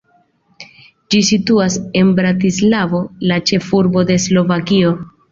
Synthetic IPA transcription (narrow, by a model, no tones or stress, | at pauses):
d͡ʒisituase̞nbɾatislavo̞lat͡ʃe̞fuɾbo̞de̞slo̞vakio̞